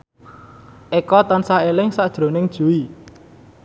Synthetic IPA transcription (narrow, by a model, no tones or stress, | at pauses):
ʔekɔt̪ansaelɪŋsaʔd̥ʒ̥ɾo̤nɪŋd̥ʒ̥ṳi